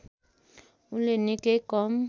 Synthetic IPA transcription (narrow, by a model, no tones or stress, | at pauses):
ʊlenɪkʼekɔm̩